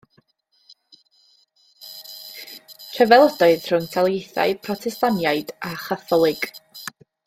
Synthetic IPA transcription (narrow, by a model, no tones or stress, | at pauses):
tʰrɛvɛlˠədɔɨð̥r̥ʊnkʰalˠjejθa̰ɨðpʰrɔtʰɛstanjaɨdaχaθɔlˠɨɡ̥